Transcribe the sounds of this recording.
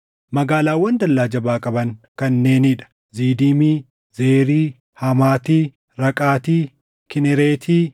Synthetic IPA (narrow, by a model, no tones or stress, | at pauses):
mɐɡaːlaːwːɐnd̪ɐlːaːd͡ʒɐbaːkʼɐbɐŋkɐnːe̞ːnɪᶑɐ̥ | ziːd̪imiː | zeːɾiː | hɐmaːt̪iː | ɾɐkʼaːt̪iː | kɪnɛɾeːt̪ʰiː